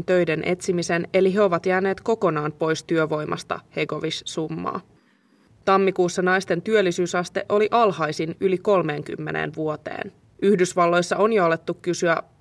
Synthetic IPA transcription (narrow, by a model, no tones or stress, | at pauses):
nt̪ø̞jdenʔe̞t̪simise̞ne̞liɦeo̞ʋɑt̪jæːne̞ːt̪ko̞ko̞nɑːnpo̞jst̪yøʋo̞jmʔɑ̰st̪ɑ̰he̞ɡo̞ʋissumːɑ̰ː | t̪ɑmːikuːsːɑnɑjst̪e̞nt̪yølːisyːsɑst̪e̞ʔo̞liʔɑlhɑjsinyliko̞lme̞ːŋk̟y̰mːḛnʔḛːnʋuot̪ḛːn | yhdysʋɑlːo̞jsːɑo̞njolet̪ːukkːysyæ